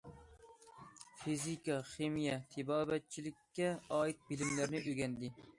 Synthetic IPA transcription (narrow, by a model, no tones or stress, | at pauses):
fizikaχemijat̪ʰɪbɒːbat̪̚t͡ʃʰɪlɪkʲːaɒɪt̪̚bɪlɪmlaɾnɪʔʊɡʲand̪ɪ